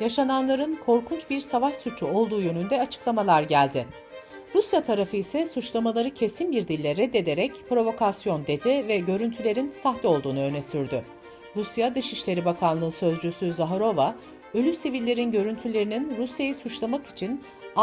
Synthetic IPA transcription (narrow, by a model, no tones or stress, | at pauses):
jaʃananlˠaɾɯnkʰo̞ɾkʰunt͡ʃbiɾsavaʃsut͡ʃʰuo̞lˠd̪uːjø̞nynd̪ɛat͡ʃʰɯ̥klˠamalˠaɾɟælʲd̪ɪ | ɾusjat̪ʰaɾafɯisɛsut͡ʃlˠamalˠaɾɯcʰe̞sinbiɾd̪ilʲːɛɾɛd̪ːe̞d̪e̞ɾɛcpɾo̞vo̞kʰasjo̞nd̪e̞d̪ivɛɟø̞ɾynt̪ʰylʲe̞ɾinsaxt̪ɛo̞lˠd̪uːnuø̞nɛsyɾd̪ʏ | ɾusjad̪ɯʃiʃlʲe̞ɾibakʰanˠɯːsø̞zd͡ʒysyzaɦaɾo̞va | ølʲysivilʲːe̞ɾinɟø̞ɾynt̪ʰylʲe̞ɾininɾusjajisut͡ʃlˠamaki̥t͡ʃʰin